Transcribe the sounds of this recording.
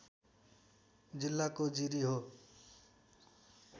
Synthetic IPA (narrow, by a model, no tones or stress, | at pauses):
d͡ʒɪlːakod͡ʒiɾiɦoː